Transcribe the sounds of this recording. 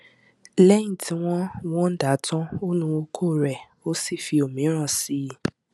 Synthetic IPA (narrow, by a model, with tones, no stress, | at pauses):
lɛ˦ĩ˦˨tʰi˦w̃ɔ̃˦w̃ɔ̃˦n̩˦da˨˦tɔ̃˦o˦nũ˧o˧kʰoː˦˨ɾɛ˨ | o˦si˦˨fi˧o˨mĩ˨˦ɾ̃ã˦˨si˨˦